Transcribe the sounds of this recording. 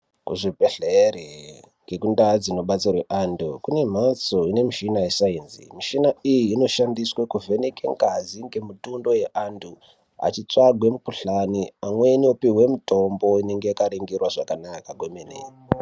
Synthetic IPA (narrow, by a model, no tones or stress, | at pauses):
kuʐipeɬeɾe | ŋɡekundad͡zino̞ɓat͡sirweʔandukune̞m̤at͡soine̞miʃinajesaiːnzḭmiʃinaijiːno̞ʃandiswekuvʱe̞nekeŋɡaziŋɡe̞mutundo̞jeʔandʰu | a̰t͡ʃit͡saɡʱwe̞mukuɬaniamwe̞niopiwe̞muto̞mbo̞ine̞ŋɡe̞jakaɾeŋɡerwaʐakanakaɡʱwemenḛ